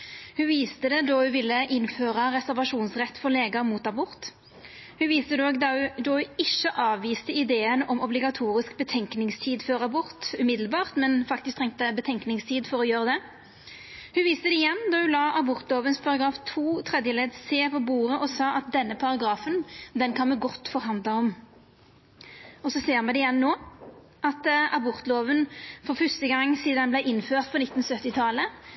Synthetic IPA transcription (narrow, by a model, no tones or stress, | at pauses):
hʉʋiːst̪əd̪ɛd̪ɔhʉʋɪlːəʔɪnføːʁɑʁɛsæʁʋɑʂuːnsʁɛt̪ːfɔʁleːɡɑmuːt̪ɑbʊɾt̪ | hʉʋiːst̪əd̪oːɡd̪ɑhʉd̪oʉɪʃːəʔɑːʋːiːst̪əɪd̪eːənɔmɔblɪɡɑt̪ʰuːʁɪskbət̪ʰɛŋknɪŋst̪ʰiːd̪føːʁɑbʊɾt̪ʉmɪd̪lbɑːʁt̪mɛnfɑkt̪ɪskt̪ʰɛŋt̪əbət̪ʰɛŋknɪŋst̪ʰiːd̪fɔɾɔjøːʁəd̪ɛ | hʉnʋiːst̪əd̪ɛɪjɛnːd̪ɔhʉnlɑːʔɑbɔʁt̪loːʋənspʰɑʁɑɡɾɑːft̪ʰuːt̪ʰʁɛd̪jəleːd̪seːpɔbuːʁəʔɔsɑːʔɑt̪̚d̪ɛnːəpʰɑʁɑɡɾɑːfənd̪ɛnkʰɑnmɛɡɔt̪ːfɔʁɦɑnd̪lɑɔm | ɔsɔseːʁmɛd̪ɛɪjɛnːoː | ɑt̪ɑbɔʁt̪loːʋənfɔʁfœst̪əɡɑŋːsiːd̪nɑnblæɪʔɪnføːʁt̪̚pʰɔnɪt̪ːn̩sœt̪ːɪt̪ʰɑlə